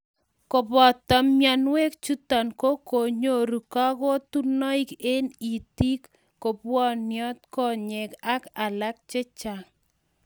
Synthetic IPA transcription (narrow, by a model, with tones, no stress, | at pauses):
ko˨bɔ˨t̪ɔ˨mjɔ˨nwe˦k̚t͡ʃu˦tɔ˨nko˦ko˨ɲo˦˨ɾu˨ka˦kɔ˦tu˦nɔ˦i˦ke˦ni˨ti˦kː | o˨pwɔ˦njɔ˦t̪̚kɔ˦ɲe˨ka˦ka˨la˦k̚t͡ʃe˦t͡ʃa˨